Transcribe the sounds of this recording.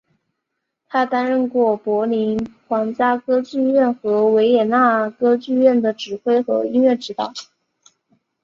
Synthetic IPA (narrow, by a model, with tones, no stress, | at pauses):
t̪ʰa˥t̪a˥nɻə˥˧nkwɔ˥˩pwɔ˧˥li˧˥nxwɑ˧˥ŋt͡ɕja˥kɤ˥t͡ɕy˥˧ɥɛ˥˩nxɤ˧˥we˧˥ɪjɛ˨˩na˥˩kɤ˥t͡ɕy˥˧ɥɛ˥˩nd̪ə˩ʈ͡ʂɻ̩˨˩xwe˥ɪxɤ̰˧˥i˥nɥɛ˥˩ʈ͡ʂɻ̩˧˥t̪ɑ̰˨˩˦